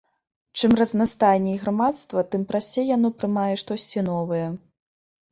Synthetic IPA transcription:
t͡ʂɨmrɐznast̪ajnʲɛiɣɾamat̪st̪vɐt̪ɨmpɾasʲt͡sʲejːan̪ɔpɾɨmajɛʂt̪ɔsʲt͡sʲinɔvɐjɐ

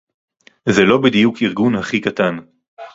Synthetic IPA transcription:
zelo̞bed̪ijukiʁɡunhaχikat̪an

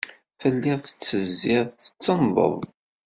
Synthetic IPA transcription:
fəlːɪʁθə̥t͡sːəzːɪʁə̥t͡sːənðˤə̰ðˤ

